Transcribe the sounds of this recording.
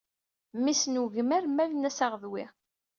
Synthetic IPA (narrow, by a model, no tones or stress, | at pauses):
misnuʝəmæɾmælnæsaʁəðwi